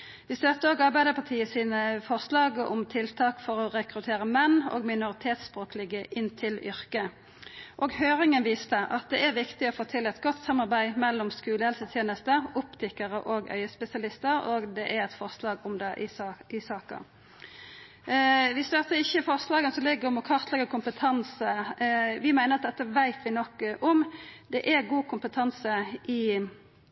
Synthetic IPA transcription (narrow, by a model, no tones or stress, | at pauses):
ʋɪst̪øːt̪ːəoːɡɑʁbæɪd̪əpʰɑt̪ʰiːəsiːnəfɔʁslɑːɡəʔʊmt̪ʰɪlt̪ʰɑːkfɔʁɔʁɛkʁʉt̪ʰeːʁəmɛnːo̰ːɡmɪnʊʁɪt̪ʰeːt̪spʁoːkəlɪɡəʔɪnt̪ʰɪlʏʁkə | ʔoːɡhøːʁɪŋənʋiːst̪əʔɑt̪̚d̪ɛʔæʁʋɪkt̪ɪɔfoːt̪ʰɪlːɛt̪ɡɔt̪ːsɑmːɑʁbæɪmɛlːɔmskʉːləhɛlsət̪ʰjeːnəst̪əʊpt̪ʰɪkːəʁəʔoːɡœ̰ʏəspɛsɪɑlɪst̪əɾoɡd̪ɛʔæɾɛt̪fɔʁslɑːɡɔmd̪ɛʔɪɪsɑːkə̰ | ʋɪst̪œt̪əɪçːəfɔʁslɑːɡənsɔlɪɡːəʁɔmɔkʰɑʁt̪ʰlɛɡəkʰʊmpət̪ʰɑnsəʋɪmæɪnəʁɑt̪̚d̪ɛt̪ːəʋæɪt̪ʰʋɪnɔkʔɔmd̪ɛʔæɡuːkʰʊmpət̪ʰɑnsəʔɪ